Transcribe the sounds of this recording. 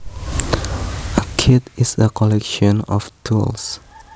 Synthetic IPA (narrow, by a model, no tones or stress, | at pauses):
əkʰidisəkʰɔlɛkʃɔ̃nɔ̰ftʰuls